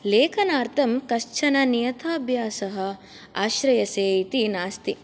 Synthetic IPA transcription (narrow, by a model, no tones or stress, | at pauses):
leːkʰɐnaːɾt̪ʰɐmkɐʃt͡ʃʰɐnɐnijɐt̪ʰaːbʱjaːsɐɦɐ̆ | aːʃɾɐjɐseːit̪inaːst̪i